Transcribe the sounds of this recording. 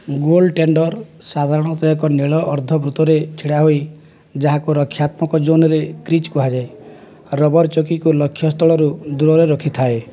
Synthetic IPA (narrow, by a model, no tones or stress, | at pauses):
ɡolʈeɳɖɔɾsad̪ʱaɾɔɽ̃ɔt̪ɔakɔneɭɔʔːɾd̪ʱɔbɾut̪ɔɾet͡ʃʰiɽaɦoi | d͡ʒaɦakuɾɔkʰjat̪mɔkɔd͡ʒonɔɾekɾit͡ʃkuɦad͡ʒae | ɾɔbɔɾt͡ʃokikulɔkʰjɔst̪ʰɔɭɔɾud̪uɾɔɾeɾɔkʰit̪ʰae